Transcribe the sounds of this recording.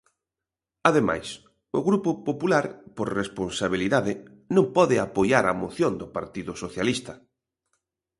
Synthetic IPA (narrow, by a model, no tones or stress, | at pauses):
aðema̰js | ʊɣɾupʊpopulaɾpoɾresponsaβiliðaðɪ | nõmpɔðɪapojaɾamoθjond̪ʊpaɾt̪iðʊsoθjalist̪ɐ